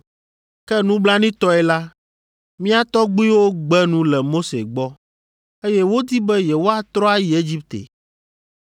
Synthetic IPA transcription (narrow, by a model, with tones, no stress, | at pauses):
kɛ˦nũ˦bla˦nĩ˦t̪ɔ˦ɛ˨la˦ | mĩ˦a˦t̪ɔ˦ɡ͡bi˦wo˦ɡ͡bɛ˦nũ˦lɛ˨mo˦sḛ˨ɡ͡bɔ˦ | e˦jɛ˦wo˦d̪i˦bɛ˦jɛ˨wo˦a˨t̪ɾɔ˦a˦ji˨e˦d͡ʑi˦p̚t̪ḛ˨